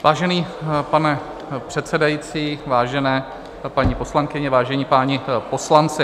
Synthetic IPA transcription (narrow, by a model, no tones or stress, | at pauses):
vaːʒɛniːpanɛ | pr̥ɛt̪sɛdajit͡siːvaːʒɛnɛː | paɲipo̞slaŋkɪɲɛvaːʒɛɲiːpaːɲɪpo̞slant͡sɪ